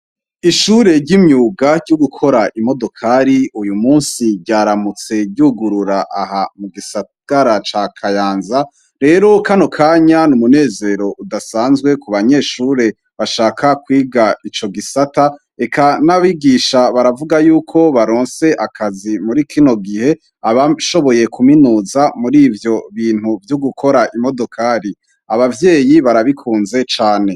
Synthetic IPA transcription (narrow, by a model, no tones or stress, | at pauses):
iʃuːɾe̞ɾɟimɲuːɡaɾɟoɡukʰo̞ɾaʔimo̞do̞kʰaɾiujumuːnsiɟɟaːɾamut͡se̞ɟuːɡuɾuɾaʔahamuɡisa | ɡ̥aɾat͡ʃakʰajaːnza | ɾe̞ɾo̞kanokʰaːɲanumune̞ːze̞ɾo̞udasaːnzɡwe̞kuβaɲe̞ːʃuːɾe̞ | βaʃaːkakwiːɡait͡ʃo̞ɡisata | e̞kʰanaβiɡiʃaβaɾavuɡajuːkʰo̞βaɾo̞ːnse̞ʔakʰazimuɾikʰino̞ɡihe̞ | aβaʃo̞βo̞je̞kuminuzamuɾiːvjo̞βiːn̥huvjuɡukʰo̞ɾaʔimo̞do̞kʰaɾi | aβavje̞ːjiβaɾaβikʰuːnze̞t͡ʃaːne̞